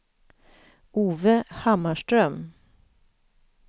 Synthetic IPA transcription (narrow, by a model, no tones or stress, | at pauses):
uːvəhamːaʂʈɾœm